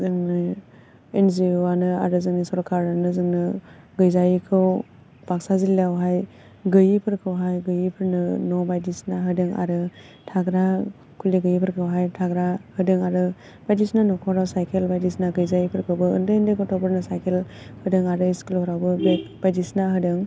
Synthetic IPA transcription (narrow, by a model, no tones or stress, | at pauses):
zɯŋnɯ | enzianɯa̰ɾɯzɯŋnisɔɾkʰaɾanɯzɯŋnɯ | ɡɯjzajikʰɯw | b̥ak̚sazilawɦaj | ɡɯjipʰɯɾkʰɯwɦajɡɯjipʰɯɾnɯnɔbajdisnaɦɯdɯŋa̰ɾɯ | tʰaɡɾa | kʰuliɡɯjipʰɯɾkʰɯwɦajtʰaɡɾahɯdɯŋaɾɯ | b̥ajdisnanɔkʰɔɾawsajkʰelbajdisnaɡɯjzajipʰɯɾkʰɯwbɯɯ̰ndɯindɯɡɔtʰɔpʰɯɾnɯsajkʰel | hɯdɯŋaɾɯiskulhɔɾawbɯbeb̥ajdisnaɦɯdɯŋ